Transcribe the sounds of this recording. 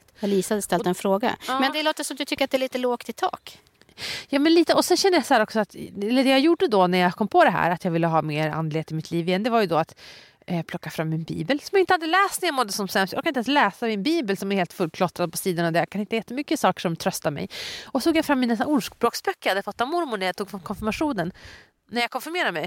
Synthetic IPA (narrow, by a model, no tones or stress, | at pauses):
aliːsad̪əst̪ɛlɛnfɾoːɡa̰mɛnd̪ɛloːt̪əʂɔmd̪ɵt̪ʰʏkːəɾat̪d̪ɛæɭiːt̪əloːɡt̪ɪt̪ʰɑ̰ːk | jɑːmɛnliːt̪əɔsɛnɕɛnːəjasahæːɾɔksɔat̪ɛlːəɖɛjajuɖəd̪ɔnæɾjakʰɔmːpʰɔd̪ɛɦæ̰ːɾat̪jɑɡvɪlːəɦɑːmeːɾa̰nd̪lɪheːt̪ɪmɪt̪ʰliːvɪːɛnd̪ɛvaɾjɵd̪ɔat̪ | pʰlɔkːafɾamːɪnbḭːbəlsɔmjaɪnt̪əhad̪ːəlɛːst̪næɾjamɔd̪ːəsɔmsɛmsja̰kanɪɛ̃nslɛːsamɪnbiːbəlsɔmæɾheːlt̪fɵlkʰlɔt̪ɾad̪̚pʰɔsiːd̪anavd̪ɛjakʰanɪnt̪əjɛt̪ːəmʏkːəsɑːkə̥ʂɔmt̪ʰɾœst̪amɛ̰jɔt̪ʰuːɡjafɾamːɪnɛsaʊʂkbɾoːksbœkːəjahad̪ːəfɔt̪ʰːavmʊɾmʊɳæɾjat̪uːɡfamkʰɔnfɪɾmaɧuːnən | nːæjakʰɔnfɔɾmeːɾamɛj